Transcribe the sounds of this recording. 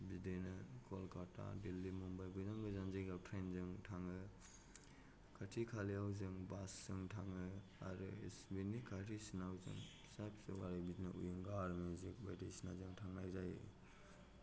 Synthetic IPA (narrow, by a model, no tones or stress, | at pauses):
bidɯjnɯkʰɔlkatʰa̰dilːimumbajbɯzaŋɡɯzanzejɡap̚tʰenzɯŋtʰaŋɯ | kʰatʰikʰaliawzɯŋbasːɯŋtʰaŋɯ | a̰ɾɯisbinikʰatʰisinawzɯ̰ŋ | isapsɯwaɾajbidnɯʔṵjɯŋɡaɾmuzik̚bajdejsina̰zɯŋtʰaŋnajzaj̰